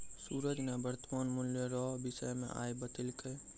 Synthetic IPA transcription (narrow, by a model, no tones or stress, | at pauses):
suːɾəd͡ʒnebəɾt̪əmaːnmʊljəɾɔːɦbɪsəmḛ̃ʔa̰ːebət̪ɪlkəe